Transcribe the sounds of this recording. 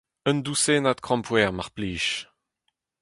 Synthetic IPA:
ənd̪useːnat̪kχɑ̃mpwɛːʁmaʁpliːʃ

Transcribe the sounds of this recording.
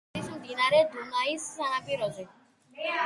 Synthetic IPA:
isud̪inaɾed̪umaisːanapiɾɔzu

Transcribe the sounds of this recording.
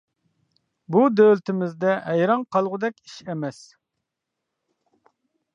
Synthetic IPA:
bud̪ølt̪ʰɪmɪzd̪ɛɦɛjɾɑŋqʰɑlˠʁʊd̪ɛkʲi̥ʃɛmɛs

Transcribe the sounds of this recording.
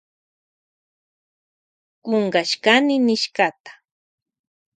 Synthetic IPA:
ɢoɴɢaʃkanɪnɪʃkat̪ḁ

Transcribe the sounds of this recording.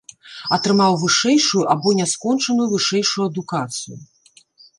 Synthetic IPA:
ɐt̪ɾɨmawvɨʂɛjʂujuʔabɔnʲɛskɔnt͡ʂɐnujuvɨʂɛjʂujuɐd̪ukat̪sɨju

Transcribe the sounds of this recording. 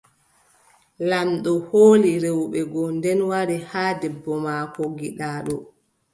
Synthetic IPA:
lanɗɔhoːliɾewɓɛɡɔndɛnwaɾihaːdɛbːɔmaːkɔɡiɗaːɗɔ

